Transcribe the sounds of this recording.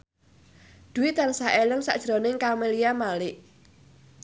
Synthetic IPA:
d̪̥uwit̪ansaʔeləŋsa̰ʔd̥ʒ̥ɾonɪŋkameliamalɪʔ

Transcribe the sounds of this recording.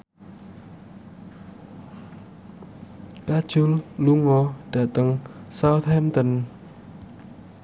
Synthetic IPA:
kḁʒ̥ʊlluŋɔɖ̥aʔt̪əŋsawt̪ʰɛmt̪ən

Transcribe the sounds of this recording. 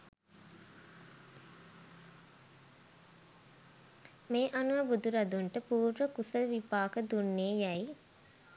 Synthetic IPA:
meːʔɐnuʋəbud̪uɾɐd̪uɳʈəpuːɾʋəkusəlʋipaːkəd̪unːeːjæj

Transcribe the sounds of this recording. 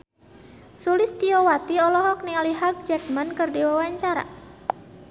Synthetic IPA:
sulɪst̪iɔwat̪iɔlɔɦɔk̚nialiɦaɡ̚d͡ʒɛk̚mankɨrdiwawaɲt͡ʃaɾa̰

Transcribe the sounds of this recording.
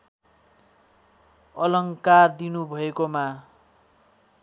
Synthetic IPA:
ʌlʌŋkard̪inubʱʌekoma

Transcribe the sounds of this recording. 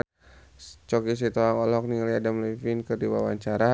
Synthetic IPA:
t͡ʃɔkis̬it̪ɔaŋɔlɔk̚niliadamlɛfinkərdiwa̰waɲt͡ʃaɾa

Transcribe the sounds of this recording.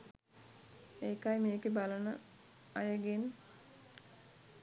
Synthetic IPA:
eːkajmeːkebalənə | ajəɡen

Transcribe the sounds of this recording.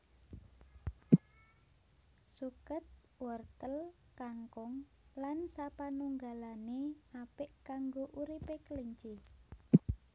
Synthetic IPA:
sukət̪̚ | wərt̪əl | kaŋkʊŋ | lansapanuŋɡalaneapɪʔkaŋɡoʔuɾipekəliɲt͡ʃi

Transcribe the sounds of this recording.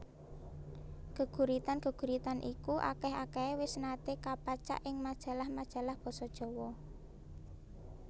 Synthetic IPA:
ɡ̥əɡ̥ṳɾit̪anɡə̤ɡ̥ṳɾit̪anʔikuʔa̰kɛɦa̰kɛewɪsnat̪ekapat͡ʃa̰ʔɪŋmad̥ʒ̥ä̤lahmad̥ʒ̥ä̤lahb̥ɔ̤sɔd̥ʒ̥ɔ̤wɔ

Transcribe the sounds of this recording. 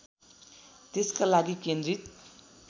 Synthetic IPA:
t̪eskalaɡikend̪rit̪̚

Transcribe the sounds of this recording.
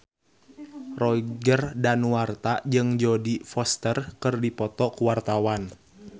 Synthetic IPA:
rɔiɡərdanuwart̪ad͡ʒɨŋd͡ʒodifɔst̪ərkɨrdipɔt̪ɔkuwart̪awan

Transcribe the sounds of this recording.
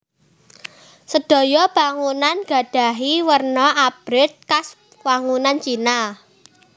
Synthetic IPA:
səd̥o̤jɔb̥aŋunanɡ̥ä̤d̥a̤ɦiwərnɔab̥ɾɪt̪̚kas | waŋunant͡ʃina

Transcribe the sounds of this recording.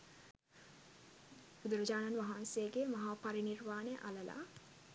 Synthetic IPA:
bud̪uɾɐd͡ʒaːnanʋaɦaːnseːɡemɐɦaːpaɾinirʋaːneʔaləla̰ː

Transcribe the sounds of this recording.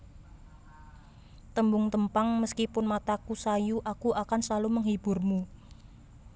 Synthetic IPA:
t̪əmbʊŋt̪əmpaŋməskipʊnmat̪akusajuʔakuʔakansaluməŋɦib̥ʊrmu

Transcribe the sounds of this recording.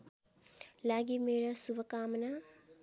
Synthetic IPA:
laɡimeɾɐsubɐkamɐnɐ

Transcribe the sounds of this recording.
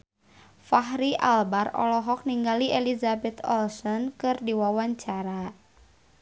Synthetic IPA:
faɦɾiʔalbarɔ̰lɔɦɔk̚niŋɡaliʔelizabɛt̪ɔlsɔnkɨrdiwawaɲt͡ʃaɾa

